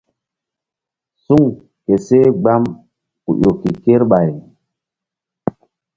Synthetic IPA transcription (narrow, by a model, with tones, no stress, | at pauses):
su˦˨ŋ | ke˨se˦ɡ͡ba˦m | kṵ˨jo˨ki˨ke˦ɾɓa˨j